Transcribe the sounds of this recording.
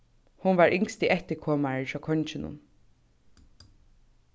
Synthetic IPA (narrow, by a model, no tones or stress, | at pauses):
hʊnʋaɹʔɪŋst̪iʔɛht̪ɪkʰɔːmaɹəfakʰɔɲt͡ʃɪnʊ̰n